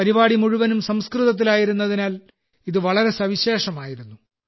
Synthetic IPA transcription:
ɐɾibaːɽimuɻuʋɐnumsɐmskrɨðɐt̪̬ːilaːjiɾunːɐðinaːl | iðɨʋɐɭɐɾe̞sɐʋiɕe̞ːʂɐmaːjiɾunːu

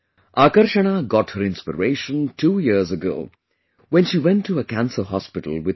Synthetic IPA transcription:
ʔakəɾʃəñaɡɔt̚həɾɪ̃nspə̰ɹeɪʃə̃ntʰuːjɪɾzəɡo̰ʊ | wɛ̃nʃiːwɛ̃ntʰːuəkæ̃nsəɦɔspɪʈəl̩ˠwɪ

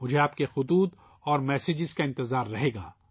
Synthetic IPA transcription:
mʊd͡ʒʱeaːpkexʊd̪uːt̪ | ɔːɾmɛːsɪd͡ʒɪzkaɪ̃nt̪ɪzaːɾːɐɦeːɡa̰ː

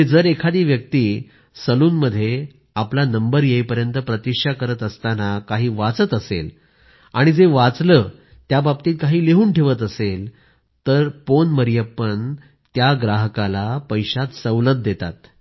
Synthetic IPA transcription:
d͡zəɾekʰad̪iːʋjək̚t̪iː | səluːnməd̪ʱːje | aplanəmbəɾjejpəɾjənt̪əpɾət̪ikʂakəɾət̪əst̪anakaɦiːʋat͡sət̪əsḛl | aɽ̃id͡zeʋat͡slə | t̪jabab̚t̪iːt̪̚kaɦiːleɦuːnʈʰeʋət̪əsel | t̪əɾponməɾjəpːən | t̪jaɡɾaɦəkalapəjɕat̪səwlət̪̚d̪et̪a̰t̪̚

